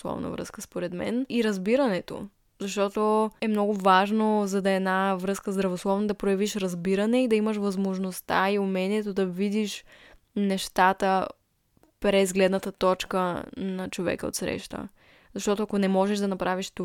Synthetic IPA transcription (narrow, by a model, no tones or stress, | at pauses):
slˠɔ̰vnə̰vɾɤ̰skəspoɾɛd̪mɛ̰niɾɐzbiɾɐnɛt̪o̰ | zɐʃt̪ɔt̪oɛmnɔɡʊvaʒnozɐd̪ɐɛdnavɾɤskəzd̪ɾɐvoslˠɔvnəd̪ɐpɾojɐviʃɾɐzbiɾɐnɛid̪ɐiməʃvɐzmoʒnost̪a̰iʊmɛniɛt̪od̪ɐvid̪iʃ | nɛʃt̪at̪ə | pɾɛzɡlɛd̪nət̪ət̪ɔt͡ʃkənɐt͡ʃovɛ̰kəo̰t̪sɾɛ̰ʃt̪ə̰ | zɐʃt̪ɔt̪oɐkonɛmɔʒɛʒd̪ɐnɐpɾaviʃt̪u